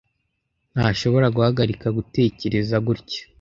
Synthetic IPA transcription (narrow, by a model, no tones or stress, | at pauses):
n̥haʃo̞βo̞ɾaɡuhaɡaɾikaɡute̞ːce̞ɾe̞zaɡuɾcḁ